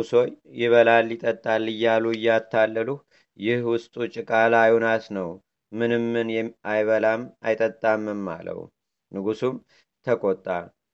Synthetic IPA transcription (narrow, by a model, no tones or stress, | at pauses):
uso̞jjɪβəlalːɪt̪ʼət̪ʼːalːɨjːaluɨjːat̪ʰːalːəluh | jɪhwʊst̪ʼut͡ʃʼɪkʼalajonasnəw | mɨnɨmːɨnjɛajβəlama̰jt̪ʼət̪ʼːamːɨnːa̰lə̰w̰ | nɨɡusum | t̪ʰəkʰʼot̪ʼːal